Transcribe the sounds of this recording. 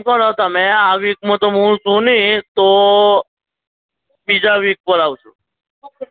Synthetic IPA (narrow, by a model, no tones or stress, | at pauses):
kəɾaʋt̪amɛ̃aʋik̚mãt̪omũt͡ʃũnit̪o | bid͡ʒaʋik̚pəɾaʋt͡ʃʰṵ̃